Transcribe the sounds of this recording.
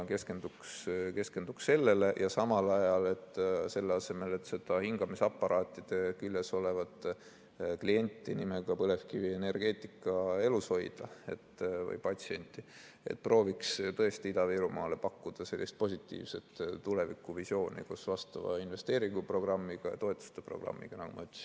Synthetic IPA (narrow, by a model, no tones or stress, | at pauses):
ke̞ske̞nd̪ukske̞ske̞nd̪̥uksse̞lːe̞le̞jʔɑsɑmɑlɑjɑle̞t̪ːse̞lːeɑse̞me̞le̞t̪ːse̞d̪̥ɑhiŋɡ̥ɑmisɑpːɑɾɑːt̪ːˑid̪̥e̞kylʲːeso̞le̞vɑd̪ | klie̞nʲt̪ːˑinimeɡ̥ɑpɤle̞fkivie̞ne̞rɡ̥e̞ːt̪ˑikːˑɑe̞lusho̞jd̪̥ɑe̞t̪ːvɤ̰jpɑt̪ʲsie̞nʲt̪ːˑi | e̞̰t̪̚ːpro̞ːvikst̪ɤ̞e̞st̪iid̪̥ɑviɾumɑːle̞pɑkːud̪̥ɑse̞lːist̪̚po̞sʲit̪ːˑḭːvse̞t̪ːule̞vikːuvisjo̞ːnḭkusvɑst̪ɑvɑ̰inve̞st̪e̞ːɾiŋɡ̥upro̞ɡ̥rɑmːiɡ̥ɑjɑ̰t̪o̞e̞t̪ːˑu̥st̪epro̞̰ɡ̥rɑ̰mːḭɡ̥ɑnɑɡumɑ̰yt̪ːˑsi̥n